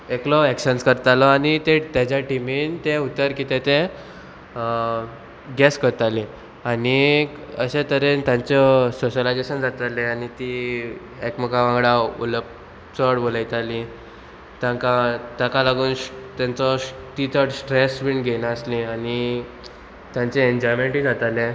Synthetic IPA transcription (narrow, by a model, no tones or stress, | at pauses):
eklɔekɕənskəɾt̪alɔanit̪ẽt̪jat͡ɕjaʈimint̪ẽut̪əɾkit̪ẽt̪ẽ | ɡɛskəɾt̪alĩ | ani | əɕẽt̪əɾent̪jãɲt͡ɕɔsoɕəlajd͡zeɕənd͡zat̪aleanit̪i | ekməkaʋãŋɡɽaṵləp̚ | t͡sɔɽbolajt̪ali | t̪jãkat̪jãkalaɡuːnt̪jãnt͡sɔt̪it̪ʰəɽsʈɾesʋiɳɡʱenaəslĩani | t̪jãnt͡seeɲd͡ʑɔjmeɳʈɦid͡zat̪alɛ̃